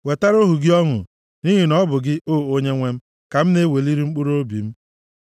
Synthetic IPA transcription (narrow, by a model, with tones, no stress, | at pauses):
we˨ta˦ɾo˦ɦu˨ɡɪ˦ɔ˦ŋʊ̰˨ | ni˦ɦi˨nɔ˦bʊ˨ɡɪ˦o˦˨o˦ɲe˦ŋʷe˦m̩˦ | ka˨m̩˦ne˦we˨li˦ɾi˦ŋ͡m̩˦k͡pu˦ɾo˦bḭ˨m̩˦